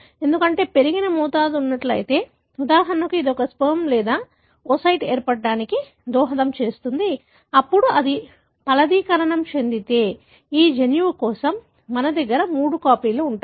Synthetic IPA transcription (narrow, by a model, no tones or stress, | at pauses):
e̞nd̪ukɐɳʈe̞ːpe̞ɾiɡinɐmuːt̪aːd̪unːɐʈlɐ̰jit̪e̞ː | ud̪aːɦɐnɐkuid̪ɔkɐspoːmlɛːd̪aː | osɐjʈeːɾpɐɽɖaːniki | d̪ɔːɦɐd̪ɐmt͡ʃe̞ːst̪und̪i | ɐpːuɽuɐd̪i | pɐlɐd̪iːkɐɾɐɳɐmt͡ʃe̞nd̪it̪e̞ː | iːd͡ʒenjuːkɔːsɐmː | ɐnɐd̪ɐɡːɐɾɐmuːɽukaːpiːluuɳʈa